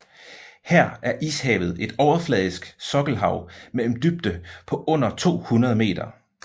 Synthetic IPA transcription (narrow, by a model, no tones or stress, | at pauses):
hæɐ̰æɐʔḭːshɛ̰ːʊð̞̩ˠe̝d̥ɒʊɐflɛːð̞ˠisɡ̥sɒ̽ɡ̥l̩ɦɑ̈ʊ̰mel̰m̩d̥yb̥̚d̥əpʰɒ̽ʔɔ̽n̰ɐt͡sʰo̝̰ːhunɐð̞ˠme̝̰ːd̥ɐ